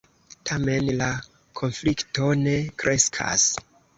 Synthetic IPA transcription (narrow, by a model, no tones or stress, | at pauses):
tʰame̞nla | kʰo̞nflikto̞ne̞kɾʔe̞skʰa̰s